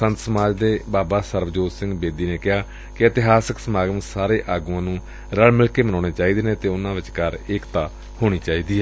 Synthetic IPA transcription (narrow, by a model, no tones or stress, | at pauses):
sənt̪səmaːd͡ʒd̪eːbaːbaːsəɾʋəd͡ʒoːssɪ̃ŋɡbeːd̪iːneːkɪɦaː | kɪət̪ɪɦaːsəksəmaːɡəmsaːɾeːʔaːɡuːãːnũː | ɾəɭmɪlkeːmənaːɽ̃eːt͡ʃaːiːd̪eːneːt̪eːʊnãːʋɪt͡ʃkəɾɪkt̪aː | hoːɽ̃iːt͡ʃaːiːd̪iːɛ